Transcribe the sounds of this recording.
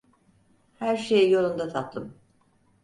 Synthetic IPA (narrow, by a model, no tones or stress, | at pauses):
hæɾʃejjo̞lˠund̪at̪ʰat̪lˠɯm